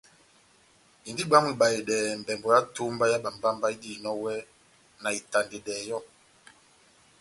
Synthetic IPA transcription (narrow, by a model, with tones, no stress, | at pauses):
i˨ndi˦ɓa˦mi˨ɓa˨e˨ɗɛː˨m˨bɛ˨mbɔ˨ja˦tu˦mba˦ja˦ɓa˨mba˦mba˦i˦di˦˨nɔ˦wɛ˦ | na˨i˨ta˨nde˨ɗɛː˨jɔ˦